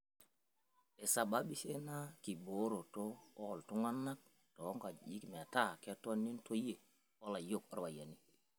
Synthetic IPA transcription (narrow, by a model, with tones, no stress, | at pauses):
e˨sa˨ɓa˦ɓi˦se˦na˦ki˨bo˨˦ɾo˨to˦o˦˨ltu˦ŋa˦nːa˦k̚ | to˨˦ŋɡa˨ji˦kme˨a˨ta˦ke˦to˦nːi˦nto˦je˨ | wo˦la˨jo˦ko˦ɾwa˨ja˨ni˦